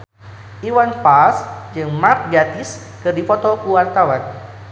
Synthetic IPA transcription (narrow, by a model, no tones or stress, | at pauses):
ʔiwanfasd͡ʒɨŋmark̪̚ɡɾat̪is | kɨrdifɔt̪ɔkuwart̪awan